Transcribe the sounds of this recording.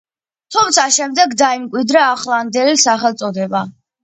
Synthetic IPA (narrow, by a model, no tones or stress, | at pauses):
t̪ʰumt̪sʰaʃɛmd̪ɛɡd̪aimkʼwid̪ɾaːχlˠand̪ɛlisaχɛlˠt̪sʼɔd̪ɛba